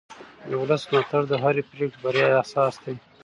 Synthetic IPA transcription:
d̪əwʊlasnat̪aɾd̪əɦaɾepɾeʈbaɾjɑahsɑːsd̪e

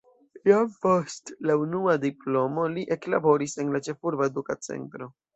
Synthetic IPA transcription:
jopostlaunuadiplo̞mo̞liʔe̞klabo̞ɾise̞nlat͡ʃe̞fuɾbaedukat͡se̞̰ntɾo̞

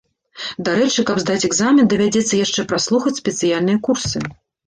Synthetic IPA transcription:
d̪aɾɛt͡ʂɨkɐbzd̪at͡sʲɛɡzamʲɛnd̪ɐvʲad͡zʲɛt̪sːɐjaʂt͡ʂɛpɾaslˠuxɐt͡sʲsʲpʲɛt̪sɨjalʲnɨjɐkursɨ

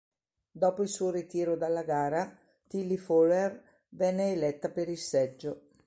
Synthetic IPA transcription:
d̪ɔːpoilsuːoɾit̪iːɾod̪alːaɡaːɾa | t̪ilːifoler | vɛnːeːlɛt̪ːapeɾilsɛd͡ʒːo

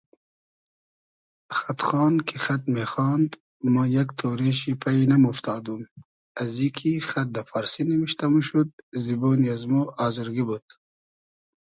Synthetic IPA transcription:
xat̪χɑːnkʰixat̪̚mexɑːnd̪ | mɐjakt̪ʰoːɾeʃipʰainɐmuft̪ʰɑːd̪um | ɐzikʰixat̪̚d̪ɐfaɾsinɐmiʃt̪ɐmuʃud̪̚ziboːniazmoɑːzuɾɡibud̪̥

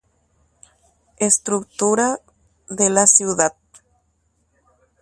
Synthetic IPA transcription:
est̪ɾuk̚t̪uɾa | ðelasjuðat̪̚

